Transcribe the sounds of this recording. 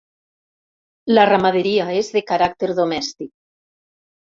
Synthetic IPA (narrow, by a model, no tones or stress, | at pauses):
laramað̞eɾiaezðekaɾak̚t̪eɾðomɛst̪ik̚